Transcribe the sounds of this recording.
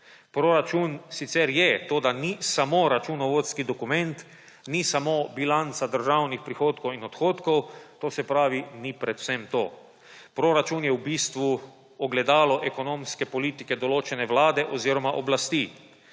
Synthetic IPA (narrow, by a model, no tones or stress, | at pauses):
pɾoɾat͡ʃunsit̪sɛɾjɛt̪oːd̪anisamoɾat͡ʃunɔʋoːt̪skid̪ɔkumɛnt̪ | nisamobilant̪sad̪əɾʒawnixpɾixoːt̪kɔwinɔt̪xoːt̪kɔwt̪oːsɛpɾaːʋinipɾɛt̪w̥sɛmt̪o̰ː | pɾoːɾat͡ʃunjɛwbiːst̪ʋu | ɔɡlɛd̪aːlɔʔɛkɔnoːmskɛpɔliːt̪ikɛd̪ɔloːt͡ʃɛnɛʋlaːd̪ɛʔɔziːɾɔmaʔɔblast̪i